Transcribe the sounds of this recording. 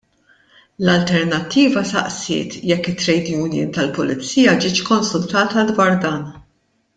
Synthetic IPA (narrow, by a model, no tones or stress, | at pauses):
lɐlt̪ɛɾnɐt̪ːiːvɐsɐ̰ʔsɪ̰ːt̪jɛkːɪt̪ːɾɛjd̪juːnjɪ̰nt̪ɐlpʊlɪt͡sːiːjɐd͡ʒɪːt͡ʃkɔnsʊlt̪ɐːt̪ɐd̪wɐɾd̪ɐːn